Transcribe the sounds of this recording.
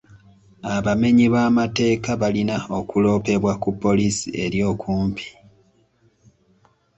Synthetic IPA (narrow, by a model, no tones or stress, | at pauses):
aβame̞ɲiβamate̞ːkaβalinao̞kulo̞ːpe̞βwakupːo̞lisie̞ɾjo̞ːkʰuːmpʰi̥